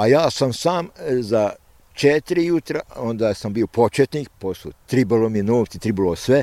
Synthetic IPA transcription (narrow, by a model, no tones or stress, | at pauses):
ajaːsamsaːmza | t͡ʃet̪iɾijut̪ɾaond̪asambiopot͡ʃet̪niːk̚poslut̪ɾibolominoːft̪sit̪ɾibolosʋe